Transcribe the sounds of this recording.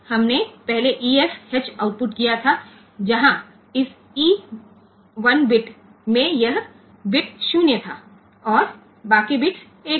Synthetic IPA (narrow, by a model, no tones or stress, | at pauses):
hɐmnepɛɦleʔiːeshet͡ʃaːʊʈ̚pʊʈkijat̪ʰa | d͡ʒɐɦã | ɪs | iː | ʋɐnbɪʈ | mẽjɐɦ | bɪʈʃuːnjət̪ʰaː | ɔːɾ | baːkibɪʈʰ | eː